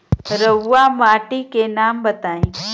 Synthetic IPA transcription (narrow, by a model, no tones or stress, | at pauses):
ɾəwːamaːʈikenaːmbɐt̪aːĩː